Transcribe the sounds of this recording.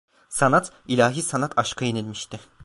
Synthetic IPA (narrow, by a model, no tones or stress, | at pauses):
sanat̪ʰ | ilʲaːɦiːsanat̪ʰaʃkʰajenilʲmiʃt̪ʰɪ